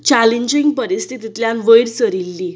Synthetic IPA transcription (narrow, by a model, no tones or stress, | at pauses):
t͡ɕaleɲd͡ʑiŋɡpəɾist̪ʰit̪it̪ljanʋəjɾt͡səɾilːi